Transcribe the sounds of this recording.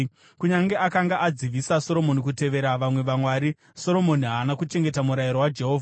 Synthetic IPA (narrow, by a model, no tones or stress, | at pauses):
kuɲaŋɡe̞ʔakaŋɡaʔad͡ziʋisaso̞ɾo̞mo̞nikute̞ʋe̞ɾaʋamwe̞ʋamwaːɾi | so̞ɾo̞mo̞niɦaːnakut͡ʃe̞ŋɡetamuɾajiɾo̞wad͡ʒe̞ɦo̞ːvʱa